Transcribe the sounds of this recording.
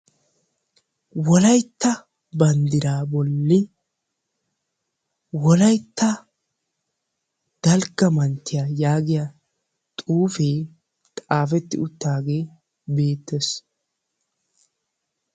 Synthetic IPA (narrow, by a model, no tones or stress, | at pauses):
wɔlɐjt̪ːɐ | bɐnd̪ɪɾaːbɔlːɪ | wɔlɐjt̪ːɐ | d̪̥ɐlɡɐmɐnt̪ːɪjajaːɡɪja | t̪ʼuːfeː | t̪ʼaːfɛt̪ːɪʊt̪ːaːɡe̞ː | be̞ːt̪ːɛs